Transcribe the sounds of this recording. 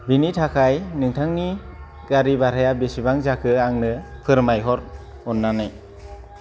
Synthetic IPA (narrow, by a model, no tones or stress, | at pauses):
binitʰakʰajnɯŋtʰaŋni | ɡaɾibaɾajabesibaŋzakʰɯaŋnɯpʰɯɾmajɦɔɾ | ɔnːanɯj